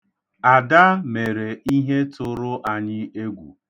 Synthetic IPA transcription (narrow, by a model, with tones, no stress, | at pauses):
a˨da˦me˨ɾe˨i˦ɦe˦tʊ˦˨ɾʊ˦ʔa˨ɲɪ˦e˦ɡʷṵ˨